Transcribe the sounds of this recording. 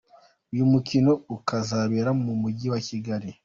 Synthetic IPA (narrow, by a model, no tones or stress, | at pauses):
ujumukino̞ukazaβeɾamumuɟiwaciɡaɾi